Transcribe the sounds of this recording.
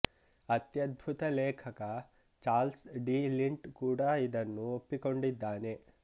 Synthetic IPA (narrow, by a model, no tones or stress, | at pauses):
ɐt̪jɐd̪̚bʱut̪ɐlɛːkʰɐkɐ | t͡ʃaːlsɖiːliɳʈkuːɽaːid̪ɐnːuopːiko̞ɳɖid̪ːaːne̞